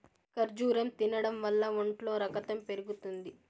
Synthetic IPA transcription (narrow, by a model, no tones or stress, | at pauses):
kɐɾd͡ʒuːɾɐmt̪inɐɽɐmʋɐlːɐuɳʈlo̞ːɾɐkɐt̪ɐmpe̞ɾuɡut̪und̪i